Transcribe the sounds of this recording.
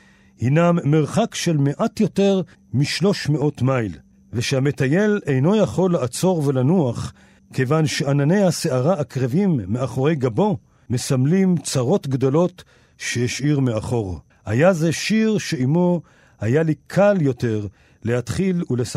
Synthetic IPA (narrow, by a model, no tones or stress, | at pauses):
hinamːeʁχakʃelme̞ʔatjo̞te̞ʁ | miʃlo̞ʃmeo̞tmajl | veʃehame̞t̪aje̞le̞jno̞jaχo̞lːeat͡so̞ʁve̞lanuaχ | kejvanʃe̞anane̞jhaseaʁaːkʁevimːeaχo̞ʁe̞jɡabo̞ | me̞samlimt͡saʁo̞t̪ɡd̪o̞lo̞t | ʃeheʃʔiʁmeaχo̞ʁ | hajazeʃiʁʃe̞imo̞ | hajalikʰaljo̞te̞ʁ | lehat̪χilules